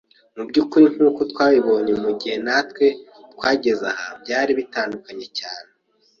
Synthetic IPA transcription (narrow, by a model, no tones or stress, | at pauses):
mubɟukuɾiŋ̥huːko̞twaːβiβo̞ɲemuɟihe̞natwe̞ | t̚waːɟe̞zahabɟaːɾiβitaːndukaɲe̞caːne